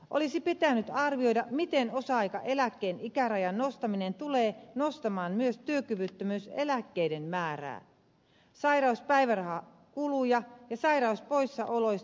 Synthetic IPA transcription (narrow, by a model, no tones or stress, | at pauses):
ʔo̰lisipit̪ænːyt̪ɑrʋio̞jdɑmit̪eno̞sɑɑjkɑ̰ʔe̞lækːeːnikærɑjɑnnost̪ɑminent̪uleːnost̪ɑmɑːnmyøst̪yøkyʋyt̪ːømyːsḛlækːe̞jdenmæːɾæ̰ː | sɑjɾɑuspæiʋærɑhɑ | kulujɑjɑsɑiɾɑuspoisːɑʔolojs